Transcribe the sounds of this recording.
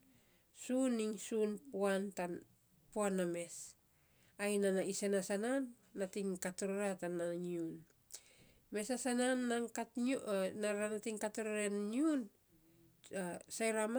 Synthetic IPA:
suniŋsunpuantan | poaname̞s | ajnanaisenasananː | atiŋkatoɾoɾatanaɲiun | me̞sasananːaŋkatnaɾanatiŋkatoɾoɾenːiun | sajɾam

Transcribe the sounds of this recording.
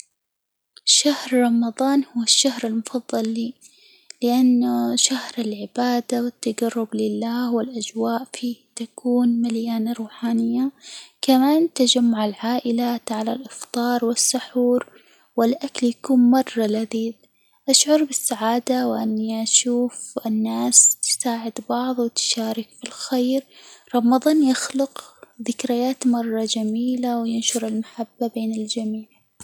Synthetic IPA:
ʃahɾɾˤɑmɑðˤɑːnhʊwaʃːahɾɪlmʊfɑðˤːɑlːiː | lɪʔanːʃahɾɪlʕɪbaːd̪awɪt̪ːad͡ʒaɑrˤːʊblɪlːaːhwɪlʔad͡ʒwaːʔfiːt̪akʰuːnmaljaːnaɾˤuːħaːnɪjːakamaːnt̪ad͡ʒamːʊʕalʕaːʔɪlat̪ʕalalʔɪft̪ˤɑːɾˤwɪsːʊħuːɾ | wɪlʔakljakuːnmɑrˤːɑlːaðiːd̪ | ʔaʃʕʊɾˤbɪsːaʕaːd̪awʔanːiʔaʃuːfʔɪnːaːst̪ɪ̥saːʕɪd̪bɑʕðˤwɪt̪ʃaːɾɪkfilxejɾɾˤɑmɑðˤɑːnjaxlʊqðɪkɾɪjaːt̪mɑrˤːɑd͡ʒamiːlawjɪnʃʊɾɪlmaħabːabeːnɪld͡ʒamiːʕ

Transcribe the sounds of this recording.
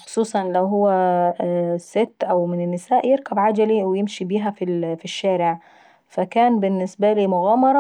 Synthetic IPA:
xo̥sˤuːsˤɑnlæwɦʊwːæ | set̪ːʔæwmɪnɪnːɪsæːʔjɪɾkæbʕad͡ʒæliwɪjɪmʃibiːɦæfifiʃːæːɾɪʕ | fækæːnbɪnːɪsbæliːmʊɣæːmɑɾˤɑ

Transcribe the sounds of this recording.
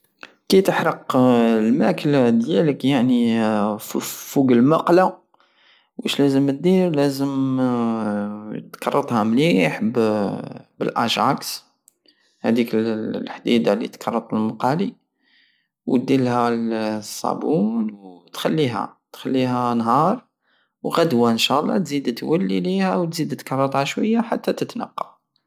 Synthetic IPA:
kæjt̪əħɾəqlmækəld̪jæləkjaʕni | fuɡəlmɑqla | wʔæʃlæzəmt̪̚d̪iɾlæzəm | t̪kɑrˤːɑt̪ˤhæmliħb | bəlʔɑ̰ʒʕɑks | hæd̪iklħd̪id̪alḭt̪kɑrˤːɑt̪ˤəlmɑqɑli | w̚d̪ilhælsˤːɑ̰bunwt̪xælːiɦæ̰t̪xælːiɦænɦɑɾˤ | wɣæd̪wæənʃælˤːɑ̰t̪zid̪t̪wælːilihæwt̪zid̪t̪kɑrˤːɑt̪ˤɑʃwəjːaħat̪ːæt̪ət̪nɑ̰qːɑ

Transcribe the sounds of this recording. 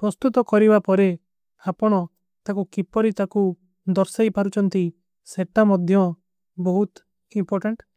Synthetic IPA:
pɾɔst̪ut̪ɔkɔɾibapɔɾe | apɔɽ̃ɔ | t̪akukipɔɾit̪aku | d̪ɔɾsajpaɾut͡ʃʰɔnt̪i | seʈamɔd̪ʱjɔ | bɔɦut̪ | impɔɾʈeɳʈ

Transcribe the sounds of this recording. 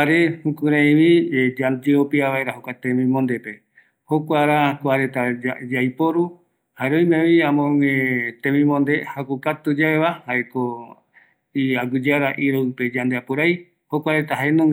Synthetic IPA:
aɾehukũɾãj̃βid͡ʒad͡ʒeopiaβaeɾaɦokʷat̪ẽmĩmõnd̪epe̞ | hokʷaɾakoaɾet̪aad͡ʒajpoɾu | haeɾojmẽβiãmõŋẽt̪ẽmĩmõnd̪ehakukat̪ud͡ʒaeβahaeko | iaɡud͡ʒaɾaʔiɾoɨped͡ʒand̪eapuɾaj | hokʷaɾet̪aɦaenõŋ

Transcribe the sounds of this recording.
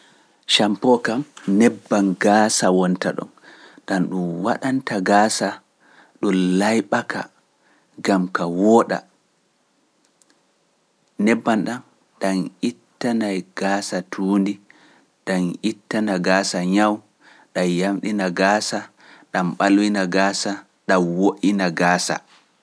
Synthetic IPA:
ʃampɔkamnɛbːanɡaːsawɔntaɗɔ̰nɗanɗumwa̰ɗantaɡaːsa | ɗɔlajɓaka̰ | ɡamkawɔːɗa̰ | nɛbːanɗan | ɗanʔitːanajɡ̥asatʰuːndi | ɗanʔitːanaɡaːsaɲaw | ɗajamɗinaɡaːsa | ɗamɓalwinaɡaːsa | ɗamwoʔinaɡaːsa̰

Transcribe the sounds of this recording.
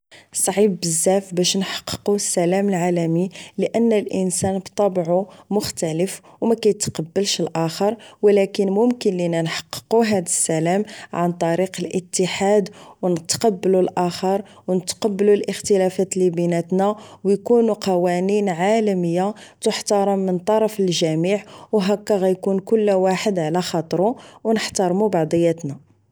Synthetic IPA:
sˤʕibːəzːæfbæʃnħɑ̥qːə̥qusːælæməlʕalæmiləʔənːælʔənsænbt̪ˤːɑbʕumʊxt̪æləf | wmækæjət̪qɑbːəlʃəlʔæxəɾˤwlækənmʊmkənlinænħɑ̥qːə̥quɦæd̪əsːælæmʕant̪ˤɑɾiqəlʔət̪ːəħad̪wnət̪qɑbːəlulʔæxəɾˤ | wnət̪qɑbːəlulʔəxt̪əlæfæt̪libinæt̪næwjkunuqɑwæninʕalæməjːat̪əħt̪ɑɾˤɑmːənt̪ˤɑɾˤɑfəlʒæmiʕwɦækːæɣæjkunkʊlːwaħəd̪ʕlæxɑt̪ˤɾuwnəħt̪ɑɾˤmubɑʕd̪ˤəjːæt̪næ

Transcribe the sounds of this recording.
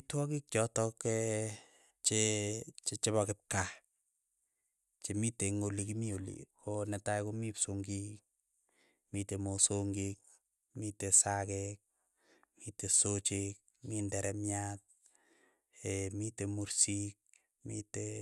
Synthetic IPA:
twɔkik̚t͡ʃɔtɔkɛ | t͡ʃet͡ʃet͡ʃeβɔkɪp̚ka | t͡ʃemiteŋolikimiolḭkʰonɛtajkomipsoŋɡik | mitemosoŋɡik̚ | mitesakɛk̚ | mitesot͡ʃik̚ | mindɛɾʔɛmjat̚ | emitemuɾsik̚ | mite

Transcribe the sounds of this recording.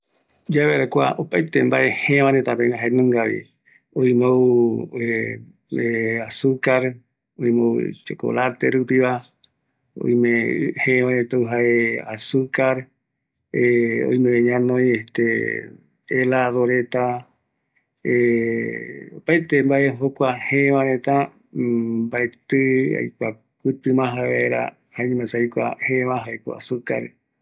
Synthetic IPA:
d͡ʒaβeɾakʷa̰ʔopajt̪embaʔe̞hẽʋãɾet̪apeŋaɦaenõŋɡaβḭ | õĩmowe | easukaɾ | oj̃mowt͡ʃeko̰lat̪eɾupiβa | o̰j̃mẽhẽʋãɾet̪auɦaeasukaɾ | eo̰j̃mẽβẽɲãnõjeht̪e | elaðoɾet̪a | e | opaet̪embaʔeɦokʷahẽʋãɾẽt̪a | baet̪ɨa̰jka | pɨt̪ɨmãɦaeɾa̰ | haeɲĩmãsajkʷa̰hẽβãɦaeko̰a̰suka̰ɾ

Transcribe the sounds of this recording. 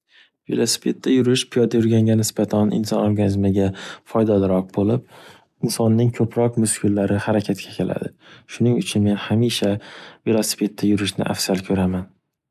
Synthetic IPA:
velˠosɪ̥fe̞t̪ʰːajʊɾɪʃpʰijɒd̪ajʊɾɡʲaŋɡʲanɪsb̥at̪ʰanʔɪ̰nsɒnoɾɡanɪzmɪɡʲafɒjd̪alɪɾɒq̚bolˠɪp̚ | ɪnsɒnːɪŋkʲʰɵpʰɾɒqmʊskʲʰʊlːaɾɪhaɾakʲʰat̪kʲʰakʲʰe̞lʔa̰d̪ɪʃʊnɪŋʊt͡ʃʰʊnme̞nhamiʃavelˠosi̥fe̞t̪ʰːajʊɾɪʃnɪ̰ʔa̰fsalkʲʰɵɾaman

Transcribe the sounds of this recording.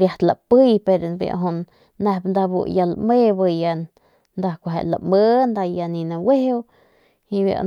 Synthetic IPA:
ɾjaht̪lapɨjpeɾbja̰ʔɦunː | ahbnd̪abṵjala̰ʔmebɨja | nd̪akʷaɦḛʔla̰mənd̪ajaninawehew | ibja̰

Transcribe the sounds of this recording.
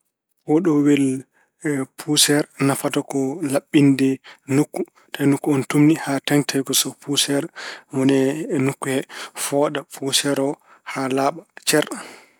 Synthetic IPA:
wɔɗɔwɛl | pʰusɛɾnafatɔkɔlaɓːindɛnukːu | tʰanukːuɔntumnihataŋtʰajɡɔsɔpusɛɾmɔnɛnukːuhɛfɔɗapʰusɛɾɔ | halaːɓat͡ʃɛɾ

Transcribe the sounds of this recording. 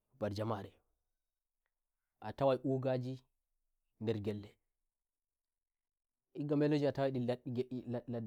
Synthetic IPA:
baɾd͡ʒamaɾɛ | ʔatawajʔuɡad͡ʒi | ndɛɾɡɛlːɛ | ʔiɡamɛlod͡ʒiatawajɗiɡlalad

